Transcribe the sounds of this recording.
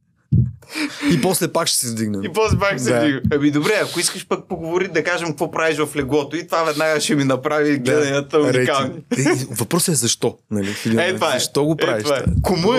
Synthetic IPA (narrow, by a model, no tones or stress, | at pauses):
ipɔslɛpakʃɛ̥sɛvd̪iɡnəipɔslɛpakʃsɛvad̪iɡnəɛmid̪obɾɛɐkʊiskəʃpɐk̚poɡovoɾid̪ɐkaʒɐmkɐkvɔpɾaviʃvɐflɛɡɔt̪oit̪ovavɛd̪naɡɐʃɛminɐpɾaviɡlɛd̪ɐnʲɐt̪əuɾɛkalˠnivɐpɾɔsɛzɐʃt̪ɔnɐlisid̪ɛt̪vaɐʃt̪ɔɡopɾɛaviʃvakomu